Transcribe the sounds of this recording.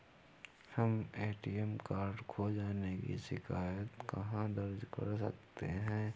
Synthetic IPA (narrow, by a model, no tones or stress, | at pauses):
hɐmeːʈiɛmkaːɾɖkʰod͡ʒaːnekḭʃɪkʰaːjət̪kɐɦãd̪ɐɾd͡ʒkɐ̰ɾs̬ɐ̰k̚t̪eɦɛ̃ː